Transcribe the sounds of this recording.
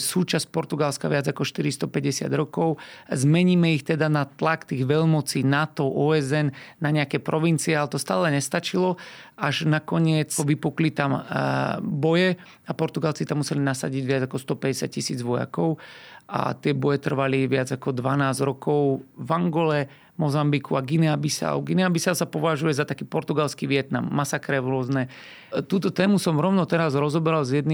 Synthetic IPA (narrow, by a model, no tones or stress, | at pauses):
suːt͡ʃaspɔɾt̪uɡalskaʋɪad͡zakɔʃt̪iɾist̪ɔpɛɟɛsɪa̰d̪ɾɔkɔʊzmɛɲiːmɛixt̪ɛd̪anat̪lakt̪iːɣʋɛlmɔt͡siːnat̪ɔʔɔːɛzɛnnaɲɛakɛpɾɔʋint͡siɛalɛt̪ɔst̪aːlɛɲɛst̪at͡ʃilɔaʒnakɔɲɪɛt͡sɔʋipuklit̪am | bɔjɛ | apɔɾt̪uɡalt͡sit̪amːusɛlinasa̰ɟiɟʋɪad͡zakɔst̪ɔpɛɟɛsja̰c̚cisiːd͡zʋɔja̰kɔʊa̰t̪ɪɛbɔjɛt̪r̩ʋaliʋɪad͡zakɔd̪ʋanaːzɾɔkɔʊʋaŋɡɔlɛ | mɔzambikuaɡinɛabisa̰ʊɡinɛabisalsapɔʋaʒujɛzat̪akiːpɔɾt̪uɡalskiʋɪɛt̪na̰mːasakɾɛʋɾʊɔznɛ | t̪uːt̪ɔt̪ɛːmusɔmɾɔʊnɔt̪ɛɾazɾɔzɔbɛɾalzjɛd̪ni